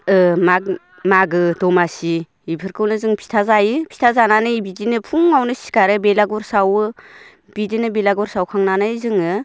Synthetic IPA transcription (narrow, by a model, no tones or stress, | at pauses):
ɯma | maɡɯdɔmasi | ipʰɯɾkʰɯwnɯzɯŋpʰi̥tʰazajɯpʰi̥tʰazananɯibidinɯpʰuŋːawnɯsi̥kaɾɯbelaɡɔɾsawɯ | b̥idinɯbelaɡɔɾsawkʰaŋnanajzɯŋɯ